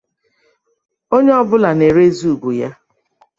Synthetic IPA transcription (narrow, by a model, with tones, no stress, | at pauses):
o˦ɲe˦ɔ˦bʊ˦la˨ne˨ɾe˦zu˦˨ɡu˨ja˦